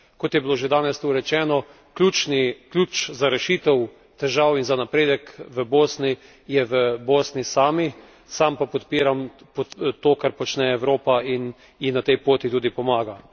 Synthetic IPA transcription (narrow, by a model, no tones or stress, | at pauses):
kɔt̪jɛbiloʒed̪aːnɛst̪uɾɛt͡ʃɛːnɔ | klʲut͡ʃniklʲuːt͡ʃzaɾɛʃit̪ɛw | t̪ɛʒawinzanapɾeːd̪ɛkʋəboːsni | jɛʋəboːsnisaːmi | sampapɔt̪piːɾam | pot̪oːkaɾpɔt͡ʃnɛɛwɾoːpain | jinat̪ɛjpoːt̪it̪uːd̪ipɔmaːɡa